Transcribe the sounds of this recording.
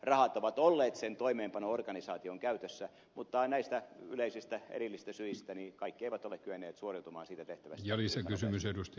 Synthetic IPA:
rɑhɑt̪oʋɑt̪olːeːt̪sent̪oimeːmpɑnoorɡɑnisɑːt̪ioŋkæyt̪øsːæ | mut̪ːɑnæist̪æyleisist̪æḛrilːist̪æsyist̪ænikɑikːieiʋæt̪olekkyʋenːˑeːt̪suoriut̪umɑ̰ːnsiːt̪æt̪eht̪æʋæstjɑlisekysymysedust̪

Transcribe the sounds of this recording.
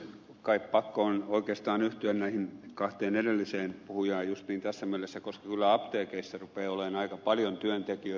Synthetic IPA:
kɑippɑkːoonoikeːst̪ɑːnyht̪yænnæihinkɑht̪eːnedelːiseːnpuhujɑːjjust̪niːnt̪æsːæmielesːækoskɑ̥kylːæɑpt̪eːkeisːærupeːoleːnɑikɑpɑljont̪yønt̪ekiø

